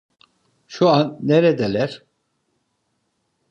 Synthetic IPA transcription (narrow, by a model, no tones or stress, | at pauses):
ʃuanːeɾɛd̪elʲæɾ̥